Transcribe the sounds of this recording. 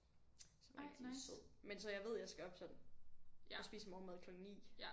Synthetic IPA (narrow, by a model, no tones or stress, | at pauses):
sɒmseð̰ˠmensɒ̽jɑ̈ɪʋe̝ð̞̰ˠjɑ̈ɪsɡ̥æɒ̽b̥sɒ̽d̥n̩ | ɒ̽sb̥ḭːsəmɒmeð̞ˠkʰlɒ̽ɡ̥ŋ̩nḭː